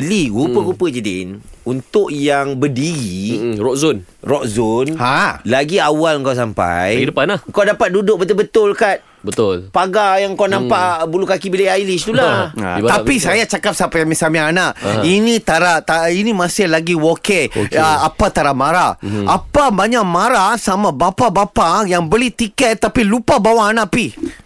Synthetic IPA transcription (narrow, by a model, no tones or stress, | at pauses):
bəliɡupəɣupəd͡ʒədɪ̰nunt̪ʊʔjaŋbədiɾirɔʔzon | rɔʔzonhalaɡiawalŋkaws̬ampa̰jɡidəpanlahŋkawdapat̪̚dudʊk̚bət̪ʊlbət̪ʊlkat̪̚ | bət̪ʊlpaɡajaŋkawnãmpaʔbulukakibilaajlɪst̪ula̰t̪apisajat͡ʃakap̚sapajamisamĩanaʔinĩt̪aɾaʔt̪ainĩmãsɪhlaɡiwokeo̰kəapat̪aɾaʔmaɾaapabaɲãʔmãɾasamãbapabapajaŋbəlɪht̪ikɛt̪ːapilupabawaːnãʔpi